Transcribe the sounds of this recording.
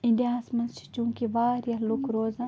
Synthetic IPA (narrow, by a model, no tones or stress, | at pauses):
ɪ̃ɳɖijaːsmɐnt͡ʃʰt͡ʃũːkiʋaːɾjɐlukɾoːzaː